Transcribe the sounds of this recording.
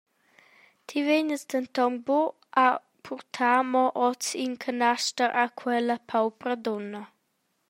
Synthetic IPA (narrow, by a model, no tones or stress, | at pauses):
t̪ʰiveɲəsd̪ənt̪ɔŋbɔ | a | pʰuɾt̪ʰaːmɔʔɔt͡siŋkʰənaʃtəɾʔakʰwɛləpʰawpɾəd̪onə